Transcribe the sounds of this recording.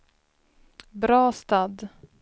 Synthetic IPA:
bɾɑːst̪ad̪

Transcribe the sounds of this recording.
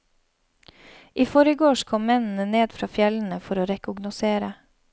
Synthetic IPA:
ʔiːfɔɾəɡoːʃkʰɔmmɛnn̩əneːd̪fɾɑːfjɛln̩əfɔɾoːɾɛkʊɡnʊseːɾə

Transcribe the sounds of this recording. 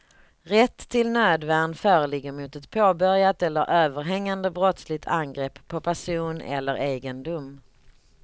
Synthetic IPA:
ɾɛt̪ʰːɪlnøːd̪væɳfœːɾəlɪɡːəɾmʊːt̪ɛt̪pʰoːbœɾjat̪ɛlːəɾʔøːvəɾɦɛŋːand̪əbɾɔt̪slɪt̪ʰanɡɾɛpʰːɔpʰæʂuːnɛ̰lːəɾeːɡənd̪ʊm

